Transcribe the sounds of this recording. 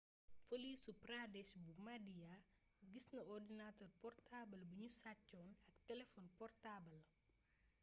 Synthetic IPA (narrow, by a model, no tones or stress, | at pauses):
fɔlisupradɛsbumadiaɡisnɐɔrdinatɔrpɔrtabɐlbuɲusacːɔːnɐktɛlɛfɔnpɔrtabɐl